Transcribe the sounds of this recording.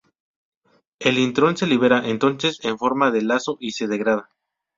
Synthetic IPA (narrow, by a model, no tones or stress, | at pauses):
e̞lint̪ɾo̞nse̞liβ̞e̞ɾaʔent̪o̞nse̞se̞ɱfo̞ɾmaðelaso̞ʔise̞ðe̞ɣɾað̞a